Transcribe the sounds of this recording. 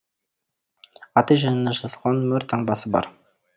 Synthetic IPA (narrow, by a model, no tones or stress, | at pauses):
ɑt̪ɑjʒænɪnːɑʒɑzəlˠʁɑnmɵɾt̪ʰɑɴbɑsəbɑ̰ɾ